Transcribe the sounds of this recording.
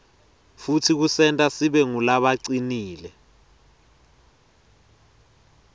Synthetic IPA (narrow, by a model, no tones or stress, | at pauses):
futʰik̬usɛntʼasiɓɛŋulaɓaǀiniːlɛ